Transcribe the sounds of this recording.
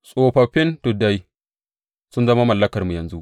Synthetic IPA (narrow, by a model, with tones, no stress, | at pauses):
sʼoː˨ɸɐ˨ɸɪ˦ntʊ˨da˦j | sʊ˦nzɐ˦ma˦mɐ˨lːɐ˦kɐ˨rmu˨jɐ˨nzu˦ʔ